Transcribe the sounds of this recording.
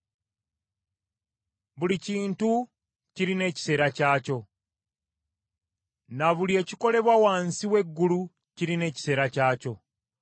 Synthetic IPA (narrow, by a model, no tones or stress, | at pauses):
βuliciːntu | ciɾine̞ːci̥se̞ːɾacaːco̞ | naβulie̞ːciko̞le̞βwawaːnsiwe̞ɡːulu | ciɾine̞ːci̥se̞ːɾacaːco̞